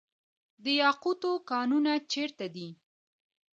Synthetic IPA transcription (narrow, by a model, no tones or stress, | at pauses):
d̪əjɑqut̪okɑnunat͡ʃeɾt̪ad̪i